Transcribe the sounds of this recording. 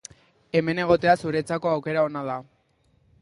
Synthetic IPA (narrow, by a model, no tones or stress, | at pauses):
e̞me̞ne̞ɣ̞o̞t̪e̞asuɾe̞t͡sako̞awke̞ɾao̞nað̞a